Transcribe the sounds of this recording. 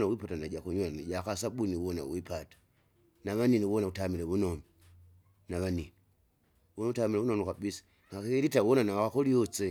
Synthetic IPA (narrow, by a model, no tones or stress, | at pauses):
nawipatanaɟakuɲwanad͡ʒakasaɓuniwɔna̰wipatḁ | naβaniniβɔnautamilɛβunɔmi | naβanini | wɔnautamilɛβunomukaɓisḁ | ŋakiɾitawɔnanakakolijɔt͡se